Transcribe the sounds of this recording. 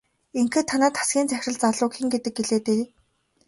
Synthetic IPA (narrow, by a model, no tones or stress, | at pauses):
eŋxĕːt̪ʰanaːt̪ʰḁsɡʲiːnt͡sæxʲrə̆ɮt͡saɮʊːkxĭŋɡet̪ɘ̆k̚ɡeɮeːt̪e